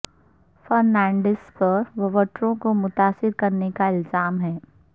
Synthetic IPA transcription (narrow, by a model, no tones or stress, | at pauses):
fɐɾnɛ̃ːɳɖɪspɐɾʋɐʋɐʈɾõkomʊt̪aːsɪɾkɐɾnekaɪlzaːmɦɛː